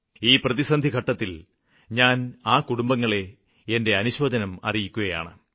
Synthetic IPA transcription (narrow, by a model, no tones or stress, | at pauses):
iːprɐðisɐnd̪ʱiɡʱɐʈːɐt̪ːil | ɲaːnaːkuɽumbɐŋːɐɭe̞ | ende̞ɐnuɕo̞ːd̪ʱɐnɐmɐ̰rijikʲːuɣɐja̰ːɳɨ